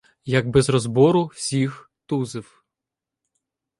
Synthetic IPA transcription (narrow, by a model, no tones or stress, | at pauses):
jɐɡ̚bɛzɾɔzbɔɾʊwsʲix | t̪uzɪw